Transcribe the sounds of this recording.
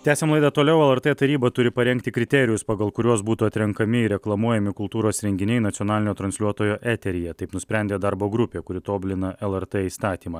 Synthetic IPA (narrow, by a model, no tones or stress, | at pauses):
t̪ʲæːsʲeːmlˠɐɪd̪ɐt̪oːlʲɛʊɛlˠɛɾt̪ɛːt̪ɐɾʲiːbɐt̪ʊɾʲɪpɐɾʲɛŋʲk̚t̪ʲɪkɾʲɪt̪ʲɛɾʲɪjʊspɐɡɐlˠkʊɾʲuɔsbuːt̪uːɐt̪ʲɾʲɛŋkɐmʲɪɪɾʲɛklˠɐmuɔjɛmʲɪkʊlˠt̪uːɾoːsɾʲɛŋʲɡʲɪnʲɛɪnɐt̪sʲiɔnɑːlʲɪnʲoːt̪ɾɐnʲsʲlʲuɔt̪oːjoːʔæːt̪ʲɛɾʲɪjɛt̪ɐɪpnʊsʲpʲɾʲɛnʲd̪ʲeːd̪ɐɾboːɡɾʊpʲeːkʊɾʲɪt̪oːbʲlʲɪnɐʔɛlˠɛɾt̪ɛiːst̪ɑːt̪ʲiːmɑː